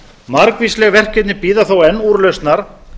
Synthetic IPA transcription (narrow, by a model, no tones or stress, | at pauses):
maɾkvislɛɣvɛr̥cɛt̪nɪpiːðaθowɛnːuɾlœst̪naɾ̥